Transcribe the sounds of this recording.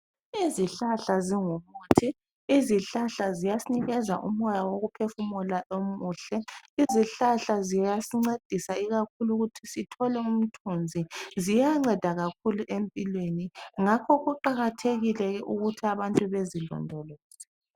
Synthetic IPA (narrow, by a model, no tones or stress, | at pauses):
iziɬaɬaziŋumuːtʰiː | ziɬaɬazijasiniɣɛza̰ʔṵm̩ɔjawoɣupʰefumulaomuːɬɛiziɬaɬazijasiŋ͡ǀed̥ʱisaiɣakʰuluɣutʰisitʰɔlɛum̩tʰund͡zʱizijaŋ͡ǀɛd̥ʱaɣakʰuluʔempʼilweniŋakʰɔɣuǃaɣatʰeɣilɛɣɛʔuɣutʰiaβantʼuβezilɔ̰ndʱɔlɔːzɛ